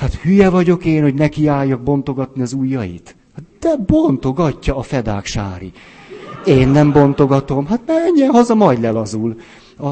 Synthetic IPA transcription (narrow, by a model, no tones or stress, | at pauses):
hat̪hyjɛvɒɟo̞keːnho̞ɟnɛkiaːjːɒɡ̚bo̞nt̪o̞ɡɒt̪niɒzuːjːɒjḭt̪ | d̪̥ɛbont̪o̞ɡɒcːɒːfɛd̪a̰ːkʃa̰ːɾḭ | eːnːɛmbo̞nt̪o̞ɡɒt̪o̞mɦat̪nɛɛɲːiɛnɦɒzɒmɒjd̪lɛlɒzul | ɒ